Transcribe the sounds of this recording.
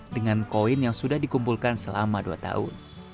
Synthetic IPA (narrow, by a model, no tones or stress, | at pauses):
dəŋankoɪnjaŋsudahdikumpulkansəla̰maduat̪a̰ʊ̰n